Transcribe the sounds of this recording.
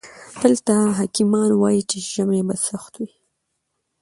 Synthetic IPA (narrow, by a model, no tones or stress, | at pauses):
d̪̥əlt̪aɦakimɑnwɑjit͡ʃeʒəmebasaxt̪wi